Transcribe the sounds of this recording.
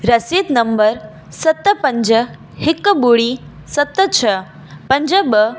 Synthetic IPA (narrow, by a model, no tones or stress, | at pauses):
ɾɐsiːt̪nɐmbəɾ | sɐt̪ːəpə̃ɲd͡ʒə | hɪkːəbuɽi | sɐt̪ːət͡ʃʰə | pɐnd͡ʒəbə